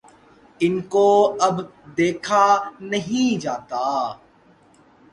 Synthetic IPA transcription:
ɪnkoːɐbd̪eːkʰaːnɐɦĩd͡ʒaːt̪aː

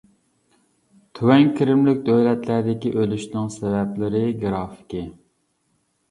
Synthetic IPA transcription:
t̪ʰywɛŋkʰʲiɾɪmlɪk̚ʲd̪øwlɛt̪læɾd̪ɪkʲiʔølyʃnɪŋsɛvɛplɪɾɪɡɾɑːfɪ̥kʲɪ

